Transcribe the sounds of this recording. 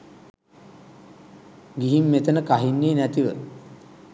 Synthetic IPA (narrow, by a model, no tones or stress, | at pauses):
ɡiɦimːet̪ənəkaɦinːeːnæt̪iʋə